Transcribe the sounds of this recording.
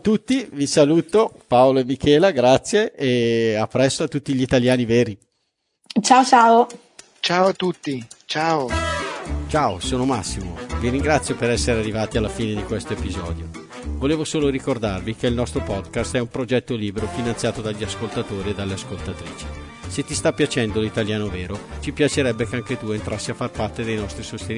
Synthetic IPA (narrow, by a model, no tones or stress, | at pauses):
t̪ːut̪ːivisaluːt̪opaoloemːikʰɛːlaɡɾat̪sːjeeapːɾɛst̪oat̪ːut̪ːiʎit̪aljaːniveːɾi | t͡ʃaːot͡ʃaːo | t͡ʃaːoat̪ːut̪ːit͡ʃaːo | t͡ʃaːosoːnomasːimo̰viɾiŋɡɾat̪sːjopeɾɛsːeɾearːivaːt̪ialːafiːned̪ikwest̪oepizɔ̰ːd̪jo̰ | voleːvosoːloɾikord̪arvikeilnɔst̪ɾopɔd̪kast̪ɛumpɾod͡ʒɛt̪ːoliːbeɾofinant̪sjaːt̪od̪aʎːiaskolt̪at̪oːɾied̪alːeaskolt̪at̪ɾḭːt͡ʃi̥ | set̪ːist̪apːjat͡ʃɛnd̪olit̪aljaːnoveːɾot͡ʃipjat͡ʃeɾɛbːekeaŋket̪uent̪ɾasːiafːarpart̪ed̪ejnɔst̪ɾisost̪en